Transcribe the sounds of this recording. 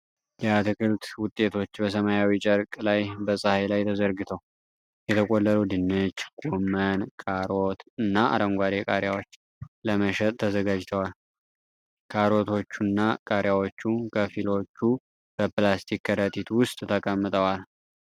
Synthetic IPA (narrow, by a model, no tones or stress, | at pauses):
jɛat̪ʰɨkɨlt̪wʊt̪ʼːe̞t̪ʰo̞t͡ʃːbəs̬əmajawit͡ʃʼəɾkʼlajbəsʼahajlajt̪ʰəzəɾɡɨt̪ʰəw | jɛt̪ʰəkʼolːəɾud̪ɨnːɨt͡ʃːɡ̥ʼomənkʼaɾot̪ɨnːaʔa̰ɾəŋɡʷaɾekʼaɾjawo̞t͡ʃː | ləməʃɛt̪ʼt̪ʰːəzəɡad͡ʒt̪ʰəwal | kʰaɾo̞t̪ʰo̞t͡ʃːunːakʼaɾjawot͡ʃːukʰəfilo̞t͡ʃːu | b̥əplast̪ʰikːəɾət̪ʰit̪ʰwʊst̪ʼt̪ʰəkʼəmːət̪ʼəwal